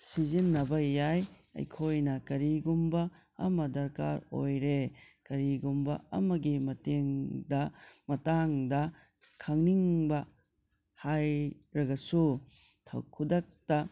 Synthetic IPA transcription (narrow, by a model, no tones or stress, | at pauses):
sizinːɐbɐjaj | ɐ̰jkʰojnɐkɐɾiɡumbɐː | mɐdɐɾka̰ɾo̰jɾe | kɐɾiɡumbɐ̰ɐ̰mɐɡimɐteŋdɐmɐtaŋdɐ | kʰɐŋniŋbɐ | hajɾɐɡɐsu | tʰɐ̰wkʰudɐk̚tɐ